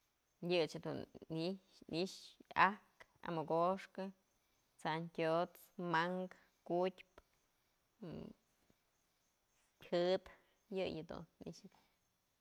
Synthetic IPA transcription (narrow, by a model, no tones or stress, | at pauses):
jɨt͡ʃhed̪ṵniiʂahka̰mɨkoʂkɨ | t͡sankʲot͡s | maŋɡ | kutʲp | hɨt̪ | jɨjɨd̪ṵnːḭʃɨk̪